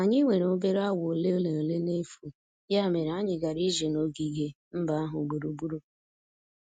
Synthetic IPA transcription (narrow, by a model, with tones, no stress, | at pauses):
a˨ɲɪ˦ŋʷe˨ɾo˦be˦ɾa˦wo˨le˦o˦le˨no˨le˦ne˦fu˨ | ja˦˨me˨ɾa˦ɲɪ˨ɡa˨ɾi˦ʒe˨no˦ɡi˨ɡe˦ | m̩˦ba˦a˦ɦʊ˨ɡ͡bu˨ɾu˨bu˦ɾo˦